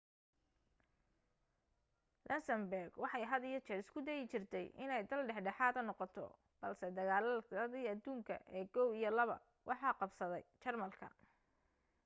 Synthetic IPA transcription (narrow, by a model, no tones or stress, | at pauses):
lʔɐnsɐmbɛrɡwɑħɑjɦɐðɪjɐt͡ʃɛɾɪskʰʊd̪ɛjɪt͡ʃɪrt̪ʰɛjʔɪ̰nɛjd̪ɐlɖɛħɖɛħaːðɐnɔqɔt̪ʰɔ̰ | b̥ɐlsɛd̪ɐɣaːlɐɐðiːɐd̪uːŋkʰɐ̰ʔɛːɡɔwijɔlɐβɐ̰ | wʔɑħɑːqɑbsɐðɛ̰jt͡ʃɐrmɐlkʰɐ̰